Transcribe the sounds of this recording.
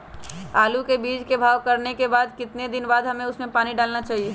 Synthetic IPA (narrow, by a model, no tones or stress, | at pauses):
aːlukebiːd͡ʒkebʱaːʋkəɾnekebaːd̪kɪt̪ned̪ɪnbaːd̪ɦɐmẽʊsmẽpaːniɖaːlnat͡ʃaːɦie